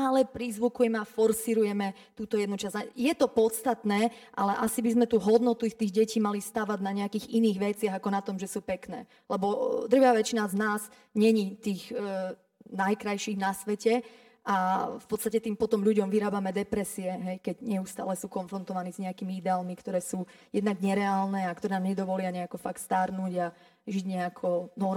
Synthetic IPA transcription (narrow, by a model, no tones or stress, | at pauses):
alɛpɾizʋukujɛmɛafɔɾsiɾujɛmɛ | t̪uːt̪ɔjɛd̪nut͡ʃazajɛt̪ɔpɔt̪st̪at̪nɛː | ʔa̰lɛʔasibizmɛt̪uːɦɔd̪nɔt̪uixt̪iːɣɟɛciːmalist̪aʋaɟnaɲɛakiːɣiniːɣʋɛt͡sɪaɣakɔnat̪ɔmʒɛsuːpɛknɛ̰ː | lɛbɔd̪r̩ʋaːʋɛt͡ʃinaznaːz | ɲɛɲit̪iːɣ | najkɾajʃiːɣnasʋɛcɛ | ʔafpɔt̪t͡sst̪acɛt̪iːmpɔt̪ɔmʎuɟɔmʋiɾaːbamɛd̪ɛpɾɛsiɛɦɛjkɛɟɲɛust̪a̰ːlɛsuːkɔnfɾɔnt̪ɔʋaniːzɲɛakiːmiid̪ɛaːlmikt̪ɔɾɛːsuːjɛd̪naɡɲɛɾɛaːlnɛakt̪ɔɾɛnamɲɛd̪ɔʋɔlɪaɲɛakɔfaktst̪aɾnuɟa | ʒiɟɲɛakʰɔnɔ